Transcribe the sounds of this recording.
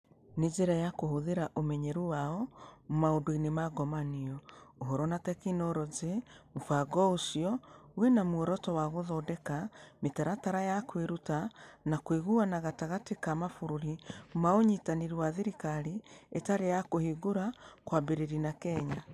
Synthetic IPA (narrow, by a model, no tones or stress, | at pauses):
ned͡ʒeɾajakohoðeɾaʔomɛɲɛɾuwaɔmaodoinemaɡɔmaniɔoɦɔɾɔnatɛkinɔɾɔzeufaɡɔosiɔwenamwɔɾɔtɔwaɣoðɔdɛkametaɾataɾajakweɾutanakweɣuanaɣataɣatekamafoɾoɾimaoɲitaneɾuwaðeɾikaɾietaɾejakohiɡoɾakwabeɾeɾinakɛɲa